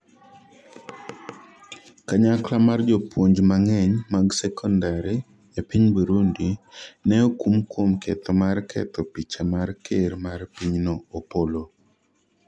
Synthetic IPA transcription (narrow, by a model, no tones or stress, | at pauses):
kaɲaklamard͡ʒɔpwoɲd͡ʒmaŋɛɲmaɡsɛkʰɔndaɾi | japiɲbuɾundinɛokumkwomkɛt̪ʰɔmarkɛ̰t̪ɔpit͡ʃamarkʰeɾmarpiɲnoːpolo